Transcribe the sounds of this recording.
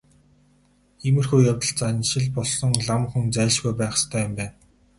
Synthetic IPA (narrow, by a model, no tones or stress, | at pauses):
ximɘ̆rxujjawt̪ə̆ɬt͡sanʃɪ̆ɮpɔɮsɞ̆ŋɮamχŭnt͡sæːɮt͡ɕɡujpæːχst̪ʰœːjʊmpæːn